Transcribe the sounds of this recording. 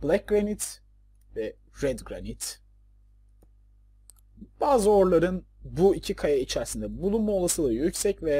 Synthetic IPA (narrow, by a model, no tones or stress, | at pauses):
b̥lʲæc̚ɡɾanit̪ | vɛ | ɾɛd̪ɡɾa̰nit̪ | b̥aːzɯo̞ɾlˠaɾɯnbuicʰikʰajait͡ʃʰæɾsind̪ɛbulˠunmao̞lˠasɯːlˠajycsɛcvɛ